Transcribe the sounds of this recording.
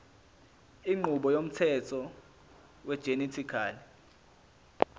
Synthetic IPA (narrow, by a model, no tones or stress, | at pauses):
iŋ͡ǃuɓɔjom̩tʰɛtʰɔ | wɛd̥ʒ̥ʱenitʰikʰaːli